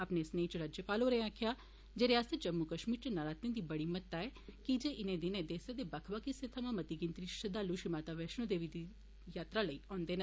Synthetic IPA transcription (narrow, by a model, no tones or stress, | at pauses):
apneːsnẽːt͡ʃɾaːd͡ʒjəpaːloːɾeãkʰɪjaː | d͡ʒeːɾɪjaːst̪əd͡ʒəmːukəʃmiːɾt͡ʃnaɾaːt̪ẽd̪iːbəɽiːmət̪ːaːɛːkid͡ʒeːʔɪnẽːd̪ɪnẽːd̪eːsed̪eːbəkʰʋaːkɪset̪ʰəmãːmət̪iːɡɪnt̪ɾiːʃəd̪aːlːuːʃɪmaːt̪aːʋɛːʃñõd̪eːʋiːd̪i | jaːt̪ɾaːləiːɔ̃ːnd̪eːnə̃